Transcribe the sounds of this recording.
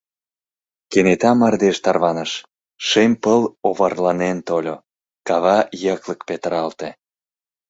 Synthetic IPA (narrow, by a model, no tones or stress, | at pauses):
kenet̪ɑmɑrd̪eʃt̪ɑrβɑnəʃ | ʃemʲpəloβɑrlɑnent̪olʲo | kɑβɑjəkləkpet̪əɾɑlt̪e